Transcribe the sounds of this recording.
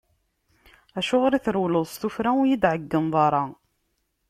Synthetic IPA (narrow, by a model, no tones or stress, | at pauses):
æʃʊʁɾiθɾwləðˤst̪ufɾæujid̪ʕəɡːəmðˤɑɾˤɑ